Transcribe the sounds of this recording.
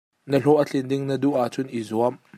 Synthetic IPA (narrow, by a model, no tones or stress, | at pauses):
nəɬɔʔət͡ɬɪndɪŋnəduʔat͡sʊnʔizuɐm